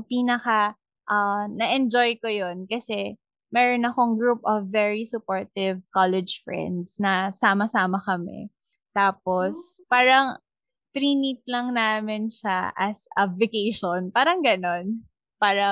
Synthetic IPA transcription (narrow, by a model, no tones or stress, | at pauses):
piːnɐkɐ | ʔɐnɐʔɛnd͡ʒojkojonkɐsɛ | mɛːɾonɐxoŋɡɹup̚ʔɐvːɛɹisʊpoɹt̪ɪvkalɛd͡ʒfɹɛ̰nd̪snɐsaːmɐsaːmɐkɐmɛ̰ | t̪aːpospaːɾɐŋ | t̪ɾiːnit̪̚lɐŋnaːmɪnʃaʔɐ̰sʔɐ̰bvɛkejʃonpaːɾɐŋɡɐnon | paːɾɐ